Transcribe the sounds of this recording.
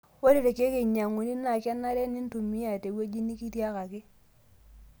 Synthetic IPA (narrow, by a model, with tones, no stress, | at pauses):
wo˦ɾi˦˨ɾe˨ke˦kɪ˨ɲa˨ŋu˨ni˦na˨ka˦nːa˦ɾe˦ni˦n˦tu˨mi˦a˨te˨˦we˦d͡ʒi˦ni˦ki˦ti˦a˦ka˨kɪ˦